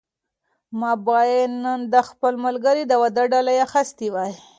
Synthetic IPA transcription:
mɑbɑjennːənd̪əxpəlmalɡaɾid̪awad̪aɖɑlajaxast̪iwaj

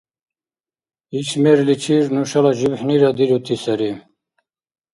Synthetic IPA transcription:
it͡ɕʰmeɾlit͡ɕʰiɾnuɕalaʑibħniɾad̪iɾut̪ʰisɐɾi

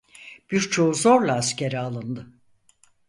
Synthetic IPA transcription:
b̥iɾt͡ʃʰo̞uzo̞ɾlˠaːscʰeɾialˠɯnd̪ɯ

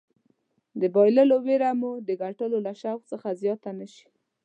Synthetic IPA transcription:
d̪əbɑjləloweɾamud̪əɡaʈəlolaʃawxt͡səxazjɑt̪anəʃi̥

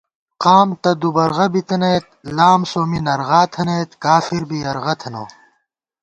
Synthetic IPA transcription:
qaːmt̪ɐd̪ubɐɾʁɐbit̪ɐneːt̪̚laːmsoːminɐɾʁaːt̪ʰɐneːt̪kaːfiɾbiɐɾʁɐt̪ʰɐno̰ː

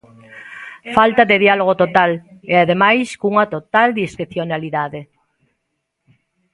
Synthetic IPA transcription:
falt̪aðeðialoɣ̞ot̪ot̪aleaðemajskuŋat̪ot̪ald̪iskeθjonaliðaðe

